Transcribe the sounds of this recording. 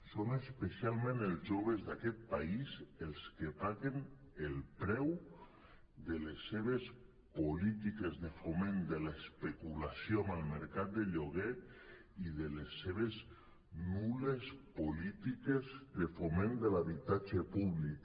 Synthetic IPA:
sonespesialˠmẽnelˠzʒoβ̞ezðakɛt̪̚paizelˠskepaɣen | elˠpɾɛw | d̪əlesːeβ̞es | polit̪ikezðefomẽnd̪elaspekulasjomalˠmeɾkat̪̚d̪eʎoɣe | iðelesːeβ̞es | nulespolit̪ikezd̪efomẽnd̪elaβit̪ad͡ʒepuβlik

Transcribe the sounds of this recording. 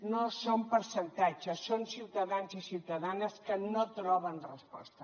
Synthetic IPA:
nosompəɾsənt̪ad͡ʒəsːonsiwt̪əðanzisiwt̪əðanəskənot̪ɾɔβənrəspɔ̰st̪ə

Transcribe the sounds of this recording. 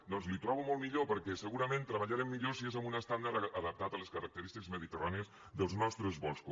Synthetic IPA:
d̪ɔnzlit̪ɾɔβumɔlˠmiʎopəɾkɛsəɣuɾəmẽnt̪ɾəβəʎaɾɛmːiʎosiezəmbunəst̪and̪aɾəðəp̚t̪at̪ələskəɾək̚t̪əɾist̪ikəzməðit̪əraniəz | ðəlˠznɔst̪ɾəzβɔsku

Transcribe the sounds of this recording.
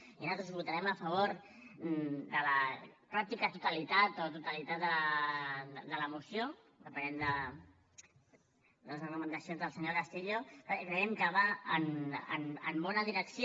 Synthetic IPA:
inalt̪ɾuzβut̪aɾɛməfəβ̞oɾ | d̪ələpɾak̚t̪ikət̪ut̪əlit̪at̪ot̪ut̪əlit̪at̪̚d̪əl | d̪ələmusjo | d̪əpənɛnd̪ə | d̪ələsrəkumənd̪əsionzðəlˠsəɲokast̪iʎokɾəɛmkəβaənə̰nə̰mbɔnəðiɾəksi

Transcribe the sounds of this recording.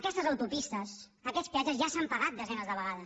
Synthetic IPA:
kɛst̪əzəwt̪upist̪əsəkɛtt͡spiad͡ʒəzʒasampəɣat̪̚d̪əzɛnəzðəβəɣaðə

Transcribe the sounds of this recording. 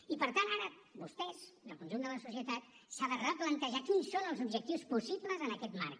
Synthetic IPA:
ipəɾt̪anaɾə | bust̪ɛz̥d̪əlˠkunʒund̪ələsusiət̪at̪̚ | saðərəplənt̪əʒakinsːonəlˠzubʒək̚t̪iwspusipləzənəkɛt̪ma̰rk

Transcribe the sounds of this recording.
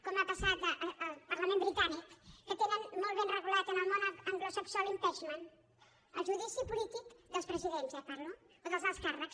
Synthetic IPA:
komapasat̪ʔːlˠpəɾləmẽmbɾit̪anikːət̪enənmolˠt̪βenrəɣulat̪ənəlˠmonaəŋɡlosəksɔlimpɛʃman | əlˠʒuðisipulit̪ikd̪əlˠspɾəziðenzəpaɾlo | oðəlˠzəlˠskarəks

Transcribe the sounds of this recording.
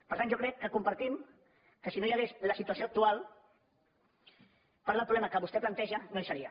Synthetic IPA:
pəɾt̪anʒokɾɛkːəkumpəɾt̪im | kəsinojəɣezləsit̪uasioək̚t̪ualˠ | paɾðəlpɾuβlɛməkəβust̪ɛplant̪ɛʒənojsəɾiə

